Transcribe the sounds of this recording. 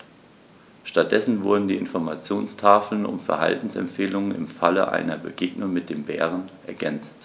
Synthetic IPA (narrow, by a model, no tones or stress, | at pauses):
ʃtat̚d̥ɛsn̩vʊɐdn̩diːʔɪ̰nfɔɐmat͡sjoːnstʰaːfl̩nʊ̰mfɛɐha̰ltn̩sɛ̰mfeːlʊŋənɪ̰mfalə̰ʔa̰ɪnɐbə̰ɡeːɡnʊŋmɪt̚d̥eːmbɛːʁənʔɛɐɡɛnt͡st